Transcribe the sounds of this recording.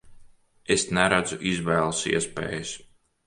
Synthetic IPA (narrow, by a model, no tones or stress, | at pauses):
esnæɾad̪zuʔizvæːlˠsḭɛspḛːjɨs